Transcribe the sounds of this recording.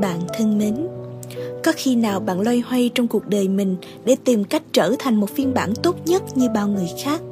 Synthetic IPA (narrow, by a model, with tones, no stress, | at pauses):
ɓa̰ː˧˨nt̪ʰɨ˧əŋme˨˦n | kɔ˨˦xi˧naː˨˩wɓa̰ː˧˨nlwa˧jhwa˧jt͡ɕɔ˧wŋ͡mku˨˩ək̚ɗəː˨˩jmï˨˩ŋ̟ | ɗe˧˩t̪i˨˩mka˦˥jk̟̚t͡ɕəː˧˩t̪ʰa˨˩jŋ̟mo˨˩t̚fi˧ənɓa̰ː˧˩nt̪o˦˥t̚ɲə˦˥t̚ɲɨ˧ɓaː˧˩wŋɨ˨˩əjxaː˦˥k̚